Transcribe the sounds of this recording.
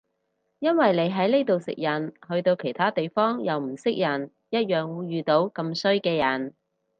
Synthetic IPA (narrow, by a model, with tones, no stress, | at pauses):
jɐ˥nwɐ˨jle˨˧jɦɐ˨˥jne˥jt̪o˨wsɪ̰˨k̚jɐ˨nhɵ˧ɥt̪o˧wkʰe˨˩jt̪ʰaː˥t̪e˨jfɔː˥ŋjɐ˨wm̩˨˩sɪ˥k̚jɐ˨˩n | jɐ˥t̚jœː˨˩ŋwuː˨˧jɥyː˨t̪o˨˥wkɐ˧msɵ˥ɥkɛː˧jɐ˨˩n